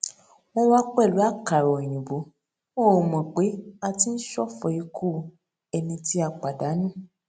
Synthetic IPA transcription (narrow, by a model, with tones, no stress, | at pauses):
wo˦wa˦k͡pɛ˦˨lu˨˦a˦˨ka˨ɾɔ˨i˨jũ˨bo˨˦ | wõ˦˨o˨mɔ̃˨k͡pe˨˦a˧ti˦n̩˦ʃɔ˦˨fɔ˨˦i˧kʰu˦˨ | ɛ˧nĩ˧ti˦a˧˨k͡pa˨da˨˦nũ˦˨